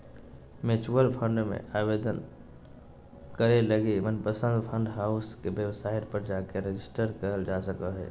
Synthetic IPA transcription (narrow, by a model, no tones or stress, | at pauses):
met͡ʃuəlpʰə̃ɳɖmḛ̃ʔabeːd̪ən | kəɾeləɡimənpəsə̃nd̪pʰə̃ɳɖɦaʊskebjəwsaːɪʈpəɾd͡ʒakeɾed͡ʒɪsʈəɾkəɾəld͡ʒasəkəɦɛ̰ː